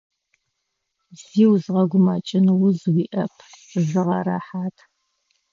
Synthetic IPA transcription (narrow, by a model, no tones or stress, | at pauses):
z̥iːwzʁɐɡʷʊmɐt͡ʃʼɪnwʊzwiːʔɐpʰzɨʁɐɾa̰ħaːtʰ